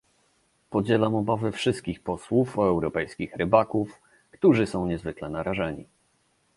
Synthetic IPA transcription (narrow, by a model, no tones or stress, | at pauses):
pɔd͡ʑɛlamɔbavɘfʂɘst̪kʲixpɔswufɔɛwɾɔpɛjskʲixɾɘbakuf | kt̪uʐɘsɔ̃w̃ɲɛzvɘklɛnaɾaʐɛɲḭ